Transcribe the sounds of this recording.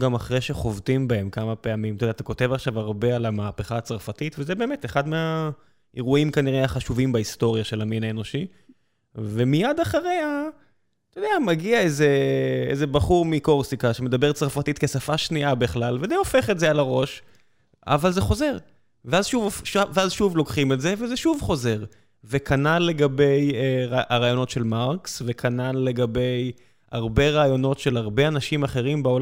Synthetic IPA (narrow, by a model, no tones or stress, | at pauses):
ɡamaχʁeʃe̞χo̞vt̪imbae̞mkamape̞amimtod̪t̪ako̞te̞vaχʃavaʁbe̞alamaːpeχaːt͡saʁfatitvezebe̞ːmet̪eχad̪mea | eʁuimkaniʁeaχaʃuvimbaist̪o̞ʁjaʃe̞laminaeno̞ʃi | ve̞mijad̪aχaʁea | t̪ojdeamaɡiaezeḛze̞baχuʁmiko̞ʁsikaʃeme̞d̪abe̞ʁt͡sʁafat̪it̪kesafaʃniʔabiχlalvezeofe̞χetzealaʁo̞ʃ | a̰valzeχo̞ze̞ʁ | veazʃuvoʃaveazʃuvlo̞kχimetze̞vezeʃuvχo̞ze̞ʁ | vekʰanale̞ɡabe̞jeʁaaʁaːjo̞no̞tʃe̞lmaʁksve̞kʰanalle̞ɡabe̞j | aʁbe̞ʁaːjo̞no̞tʃelaʁbe̞anaʃimaχe̞ʁimbaol